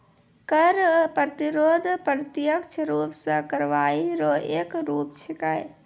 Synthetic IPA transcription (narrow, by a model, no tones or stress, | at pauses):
kəɾpɾət̪iɾoːd̪ʱpɾət̪jəkt͡ʃʰəɾuːpsəkɐɾʋaːiɾoʔeːkɾuːpt͡ʃʰikaj